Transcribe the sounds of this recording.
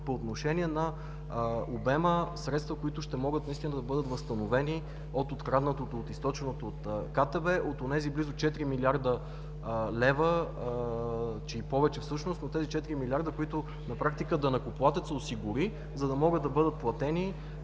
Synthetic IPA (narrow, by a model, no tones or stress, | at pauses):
poːt̪noʃɛnʲiɛnɐ | obɛməsɾɛt̪st̪vəkoit̪ʊʃt̪ɛmɔɡət̪nɐist̪inəd̪ɐbɤd̪ət̪vɐst̪ɐnovɛni | ot̪ot̪kɾad̪nət̪ot̪oːt̪ist̪ɔt͡ʃɛnot̪oot̪kat̪ɛbɛʔot̪onɛziblizʊt͡ʃɛt̪ɾimiliaɾd̪ə | lɛvə | t͡ʃɛipɔvɛt͡ʃɛfsɤʃnosot̪ːɛzit͡ʃɛt̪iɾimilʲiaɾd̪əkoit̪ʊ | nɐpɾakt̪ikəd̪ɐnɐkoplˠat̪ɛt̪səosiɡʊɾi | zɐd̪ɐmɔɡɤd̪ːɐbɤd̪ət̪̚plˠɐt̪ɛni